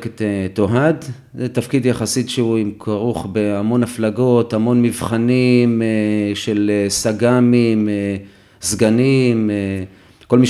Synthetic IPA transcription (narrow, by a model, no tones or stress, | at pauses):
ktet̪oɦad | et̪afkid̪jaχasitʃeuimkʰaʁuχbeamo̞nhaflaɡo̞tamo̞nmivχanimeʃelesaɡamime | zɡanime | ko̞lmiʃ